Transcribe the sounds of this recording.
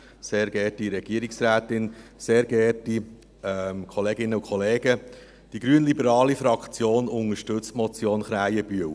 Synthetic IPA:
seːɾɡ̥ɛrtiɾɛɡ̥iəɾiksɾæːtɪnseːɾɡɛrti | ɛmkʰɔleːɡɪnːəukʰɔleːɡ̥ə | d̥iɡɾyənlibəɾɑːlifɾɑkχt͡sjoːnʊŋəʃtɵt͡stmɔt͡sjoːnχɾæjəb̥yəw

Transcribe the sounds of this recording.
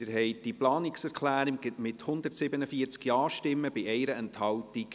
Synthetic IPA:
əɾɦɛɪd̥iplɑːniksɛɾkʰlæːɾimɪthʊnd̪ətsɪbənəfiət͡skjɑːʃtɪmːəbɪɛɪɾəɛnthɑwtik

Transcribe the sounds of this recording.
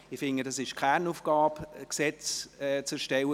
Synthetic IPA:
ɪfɪŋədɑsɪʃkʰanufɡ̥ɑːbksɛt͡sɛt͡sɛʃtɛwə

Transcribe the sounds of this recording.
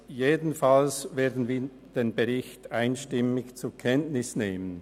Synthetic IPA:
jeːdn̩falsveːɐdn̩viːɐ | d̥eːnbeʁɪçtaɪnʃtɪmɪçt͡sʊkʰɛntnɪsneːmən

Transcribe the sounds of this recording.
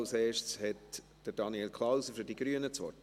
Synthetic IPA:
wseːʃt͡shɛt | d̥əɾd̥ɑnielkʰlɑwsəfyɾdiɡɾyənət͡sʋɔ̰

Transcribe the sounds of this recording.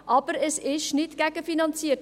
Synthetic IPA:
ʔɑbəɾəsɪʃnɪtɡ̥æɡəfinɑnt͡siət

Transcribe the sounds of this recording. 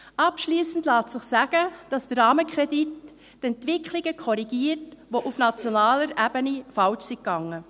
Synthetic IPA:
ɑpʃliːsn̩dlɑːtsɪχsæɡ̥əd̥ɑsd̥əɾɑːməkχɾɛditː | ɛntʋɪkχliɡəkʰɔɾiɡiːəɾtʋoʔufnɑt͡sjonɑːləɾʔæbənifɑlt͡ʃsikːɑŋːə

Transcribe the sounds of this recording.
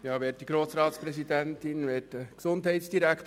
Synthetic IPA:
jɑːʋeːt̚d̥iɡ̥ɾoːsɾɑːt̪spɾɛsid̪ænt̪ɪnʋɛːtəksʊndɦɛɪtsd̥iɾækt

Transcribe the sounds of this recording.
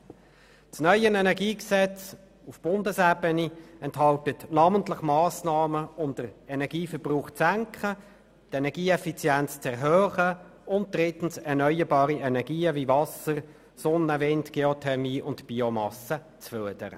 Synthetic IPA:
t͡snœʏənɛnɛʁɡiːksɛt͡s | ufb̥ʊndəsɛbəniɛnthɦɑltətnɑːməntləχmɑːsnɑːməʊmd̥əʁɛnɛʁɡ̥iːfəʁb̥ʁuːχt͡sæŋkχə | tɛnɛʁɡiːɛfit͡sjænt͡st͡sɛʁɦøːχə | ʊnt̚d̥ʁɪtn̩sɛʁnœʏəbɑːʁiɛnɛʁɡ̥iːəvivɑsəʁ | sɔnːəvɪntɡ̥eɔtʰɛmiːʔʊntb̥iɔmɑsə | t͡sføɐd̥əɾə̰

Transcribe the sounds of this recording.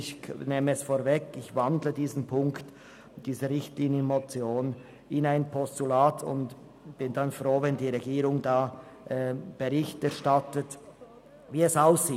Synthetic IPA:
ɪçneːməɛsfoːɾvɛkɪçvandlədiːzn̩pʰʊŋkt | d̥iːzəɾɪçtliːnjənmot͡sjoːn | ɪnaɪnpʰɔstulaːtʰʊ̰nd | b̥ɪndanfʁoːvɛndiːʁeɡiːɾʊŋdaː | ʔɛːb̥eʁɪçtɛɐʃtatət | viːɛsaʊsːiː

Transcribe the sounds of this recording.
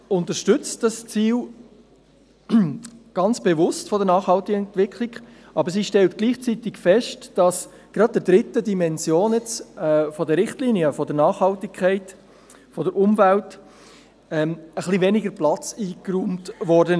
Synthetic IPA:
ʊnt̪əɾʃtʏt͡std̥ɑst͡siːl | ɡ̥ɑnt͡sb̥evʊstfɔdəɾnɑːχhɑltɪɡəɛntʋɪkʰlɪɡ | ʔɑbəɾs̬iʃtɛltɡ̥liːχt͡siːtɪkfɛʃtd̥ɑs | ɡ̥ɾɑd̚d̥ədɾɪtədimɛnzjoːnjɛt͡sɛfɔdəɾɪχtliːniəfɔdəɾnɑːχhɑltɪkʰɛɪt | fɔdəɾʔʊmvælt | ɛməχlivɛnɪɡəɾplɑt͡siːkruːmtʋɔɾdən

